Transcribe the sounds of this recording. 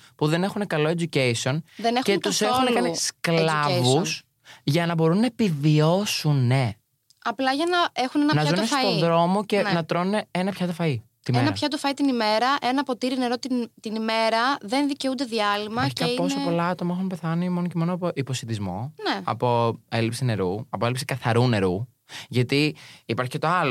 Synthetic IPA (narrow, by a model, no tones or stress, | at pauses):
puðe̞ne̞xune̞kɐlo̞e̞d͡ʒucejsio̞nðenexcet̪usexunekɐnisklɐvus | ʝɐnɐbo̞ɾunːɐepivio̞sune | ɐplɐʝɐnɐe̞xunenɐnɐzɐunnefɐt̪oiðɾo̞mo̞ce̞nnɐt̪ɾo̞nuneenɐpçɐt̪ofɐit̪imeenɐɐpçɐt̪ofɐit̪inime̞ɾɐʔenɐpo̞t̪iɾine̞ɾo̞t̪t̪inime̞ɾɐðe̞nðice̞und̪e̞ðiɐlimɐɐipo̞sopo̞lɐɐt̪o̞mɐexunpe̞θɐnimo̞nocemo̞noɐpoʔipo̞siθizmo̞neɐ̰po̞e̞lipsine̞ɾuɐpoe̞lipsi̥kɐθɐɾune̞ɾu | jʝɐt̪iipɐɾçicet̪o̞ɐlo